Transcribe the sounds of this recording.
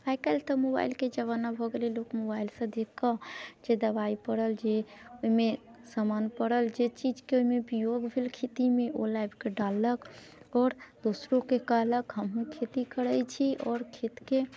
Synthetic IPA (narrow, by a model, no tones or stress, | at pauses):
akəlt̪əmoba̰ɪlked͡ʒəβanabʱɔɡelelokmobailsə̃d̪ekkəd͡ʒed̪əbaipəɽəld͡ʒeoime | samanpəɽəld͡ʒet͡ʃid͡ʒkeoimebijoɡbʱelkʰet̪imeʔolajbʱkeɖalːək | ɔːɾd̪osɾõkekəɦləkɦəmɦũkʰet̪ikəɾət͡ʃʰiɔːɾkʰet̪ke